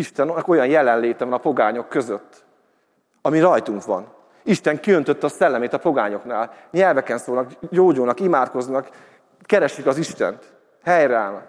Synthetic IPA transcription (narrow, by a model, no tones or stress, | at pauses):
iʃt̪ɛnɒko̞jɒnjɛlɛnleːt̪ɛvɒnɒpo̞ɡaːɲo̞kːø̞zøt̪ː | ɒmiɾɒjt̪uŋkʋɒ̰n | iʃt̪ɛŋkiø̞nt̪øt̪ːɛːsɛlːɛmeːt̪ɒpo̞ɡaːɲo̞knaːlɲɛlvɛkɛnsoːlnɒkɟoːɟoːnɒkimaːt̪ko̞znɒk | kɛɾɛʃːikɒziʃt̪ɛ̰nt̪ | hɛjɾɛalm